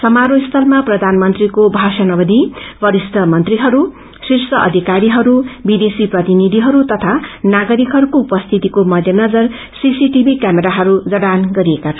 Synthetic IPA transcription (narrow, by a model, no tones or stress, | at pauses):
sʌmaɾojst̪ʰʌlmaprʌd̪ʱanmʌnt̪rikobʱasʌnʌbʌd̪ʱibʌɾist̪ʌmʌnt̪riɦʌɾu | sirsʌʔʌ̰d̪ʱikaɾiɦʌɾubid̪esiprʌt̪inid̪ʱiɦʌɾut̪ʌt̪ʰanaɡʌɾikɦʌɾukoupʌst̪ʰit̪ikomʌd̪ʱjʌnʌd͡zʌr | sisiʈibʱikameɾaɦʌɾud͡zʌɽanɡʌɾiekat͡sʰʌ